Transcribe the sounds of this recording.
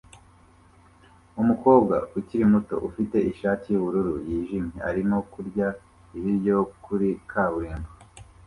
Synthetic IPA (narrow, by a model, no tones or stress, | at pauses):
umuko̞ːbɡauciɾimuto̞̰ʔufite̞ʔiʃaːtijuβuɾuɾujiːʒimɲe̞aɾimo̞kuɾɟa | iβiɾɟo̞kʰuɾikʰaβuɾiːmbo